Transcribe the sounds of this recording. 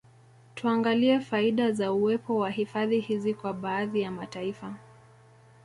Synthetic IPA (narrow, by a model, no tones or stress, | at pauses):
tʰuaŋɡaliɛfaiɗazauɛpɔwahifaðihizikwaɓaːðijamataifa